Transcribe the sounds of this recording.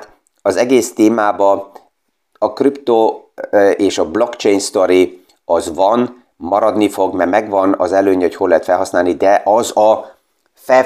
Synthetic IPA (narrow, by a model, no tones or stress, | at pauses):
t̪ | ɒzɛɡeːst̪eːmaːbɒ | ɒkript̪o | eːʃɒblo̞kt͡ʃejnst̪o̞ɾi | ɒzvɒn | mɒɾɒd̪nifo̞ɡmɛrmɛɡʋɒnɒ̰zɛløːɲhocho̞lːɛɦɛt̪fɛlɦɒsnaːlnid̪ɛʔɒzɒ | fɛ